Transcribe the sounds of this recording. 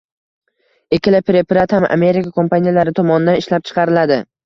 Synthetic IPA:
ekʲɪlapɾepɾat̪hama̰me̞ɾɪkakʰo̞mpanijalaɾɪt̪ʰɒmɒnɪd̪anɪʃlap̚t͡ʃʰɨ̥qʰɑɾɪlad̪ɪ

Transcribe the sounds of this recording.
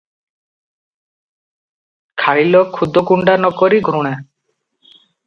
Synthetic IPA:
kʰaɭilɔkʰud̪ʱɔkuɳɖanɔkɔɾiɡʱɾuɽ̃ɛ

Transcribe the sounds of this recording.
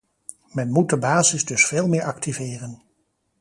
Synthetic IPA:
mɛnmut̚dəbaːzɪzdɵsfeːlˠmɪːɹʔɑktivɪːrən

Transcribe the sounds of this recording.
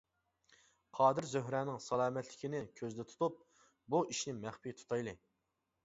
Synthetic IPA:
qʰɑːd̪ɨɾzøɦɾɛːnɪŋsɑlˠɑːmɛt̪ʰlɪkʲʰinɪkʲʰøzd̪ɛt̪ʰu̥t̪up̚ | buʔiʃnɪmæχpijt̪ʰu̥t̪ʰɑjlˠɨ

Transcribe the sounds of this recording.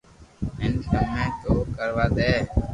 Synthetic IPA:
ɪnsəmẽːt̪oːkəɾʋaːd̪eː

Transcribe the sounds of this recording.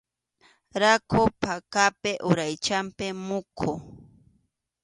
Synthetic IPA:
ɾakʰopakapɪʔʊɾajt͡ʃampɪmʊkʰo

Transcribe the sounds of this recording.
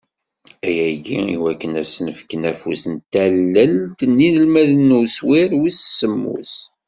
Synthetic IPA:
æjæɡiiwækːənæsːnəfə̥kːənæfusənt̪ælːəlkənːinəlmæðənːuswiɾwissːəmːṵs

